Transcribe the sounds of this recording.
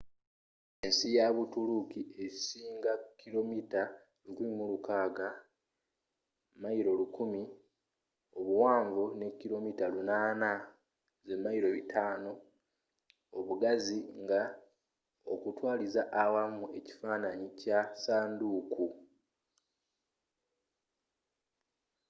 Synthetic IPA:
ensijaβutulukiʔe̞siːŋɡakːilo̞mita | lukuimulukaːɡa | maiɾo̞lukumi | o̞βuwaːɱvune̞kːiɾo̞mitalunaːna | ze̞mːajiɾo̞βitʰaːno̞ | oβuɡaziŋɡa | o̞̰kutwaːlizaʔːwamue̞ci̥faːnaɲicasaːnduːkʰu

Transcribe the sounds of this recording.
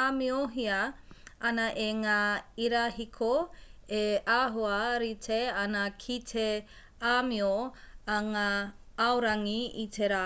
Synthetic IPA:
amioɦiɐɐnɐʔeŋaːiɾahikʰoeʔaɦuɐɾitʰeanɐkʰitʰe | amioaŋa | awɾaŋiit̪ʰeɾa

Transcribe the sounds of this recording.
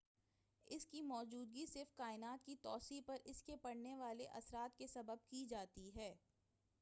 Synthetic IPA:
ɪskimɔːd͡ʒuːd̪̚ɡisɪɾfkaːɪnaːt̪̚kit̪ɔːsipɐɾɪskepɐɽneʋaːleʔɐsɾaːt̪kesɐbəb̚kid͡ʒaːt̪iɦɛː

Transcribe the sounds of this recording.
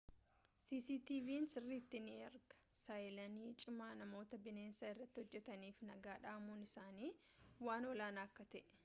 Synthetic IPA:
siːsiːt̪iːviːnsɪrːiːt̪ːɪniːɐɾɡɐ̥sɐjlɐniːt͡ʃʼɪmaːnɐmo̞ːt̪ɐbɪneːnsaɪrːɐt̪ːɪhɔd͡ʒːɛt̪ɐniːfnɐɡaːᶑaːmuːnɪsaːniː | waːnɔlaːnaːɐkːɐt̪ɛʔɛ̥

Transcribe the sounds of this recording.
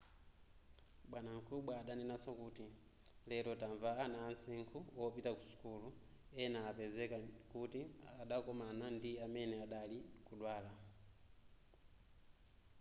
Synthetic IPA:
ɓwanaŋ̩kuɓaːɗaninasɔkuti | lɛlɔtaɱvaːnaːnsiŋkʰuɔpitakusu̥kulu | ɛnaːpɛzɛkakutiaɗakɔmanandiamɛnɛaɗalikuɗwaːla

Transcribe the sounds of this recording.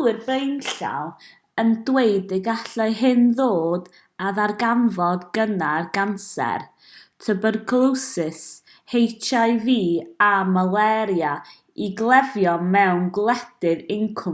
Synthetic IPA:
lɨrbrejnɬa̰lˠ | əndwejdɪɡaɬaɨɦɨnðoːd | aðarɡamvɔdɡənarɡansɛ̰r | tʰəbɔdɡʰlˠɨwsɪs | hejtʰajviːamalˠɛɾja | iɡlˠɛvjɔmɛwnɡlˠɛd̥ɨðɪŋkʰʊ

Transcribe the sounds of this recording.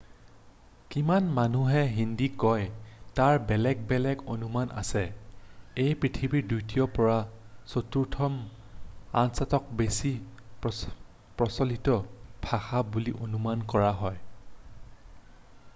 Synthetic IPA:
kimanmanuɦɛɦindikɔjtaɹbɛlɛɡ̚bɛlɛɡonumanʔa̰sɛ | ejpɹitʰibiɹdujtijɔpɔɹasotuɹtʰɔm | a̰nsatɔk̚besi | pɹɔsɔlitɔbʱaxabuliʔonumankɔɹaɦɔj

